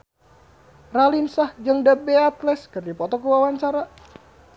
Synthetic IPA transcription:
ralinsahd͡ʒəŋdabeat̪lɛskərdipɔt̪ɔkuwawaɲt͡ʃaɾa

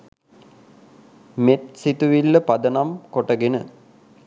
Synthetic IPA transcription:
met̪sit̪uʋilːəpad̪ənamkoʈəɡenə

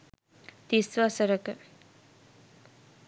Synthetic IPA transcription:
t̪isʋasəɾəkə

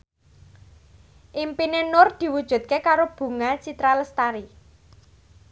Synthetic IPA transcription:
ʔimpinenʊrd̪̥i̤wud̥ʒ̥ṳt̪̚kekaɾob̥ṳŋat͡ʃit̪ɾaləst̪aɾi

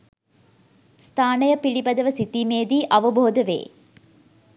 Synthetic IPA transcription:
st̪ʰaːnəjəpiɭibɐd̪əʋəsit̪iːmeːd̪iːʔɐʋəboɦod̪əʋḛː

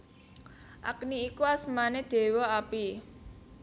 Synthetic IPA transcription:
ʔa̰kniːkuasmaned̪̥e̤woapi

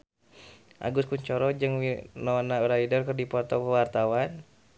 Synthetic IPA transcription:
ʔa̰ɡuskuɲt͡ʃɔɾɔd͡ʒɨŋinɔnauɾaidɔrkərdipɔrt̪ɔpəwart̪awan

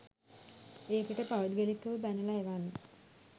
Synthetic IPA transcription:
eːkiʈəpaɾud̪ɡelikːəʋəbænəlaɦeʋanːə

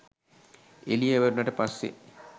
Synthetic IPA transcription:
elijeʋɐɾunɐʈəpasːḛ

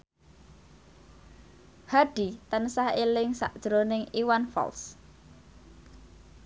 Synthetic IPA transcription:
haɖ̥i̤t̪ənsahelɪŋsa̰ʔd̥ʒ̥ɾonɪŋiwanfɔ̰ls

